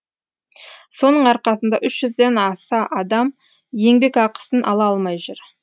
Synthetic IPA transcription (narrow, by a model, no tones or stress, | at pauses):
so̞nəɴɑɾqɑsənd̪ɑʔʏʃʒ̥ʏzd̪enɑsɑʔɑd̪ɑm | je̞ŋbe̞kɑqə̥sənʔɑ̰lˠɑɑlˠmɑjʒʊɾ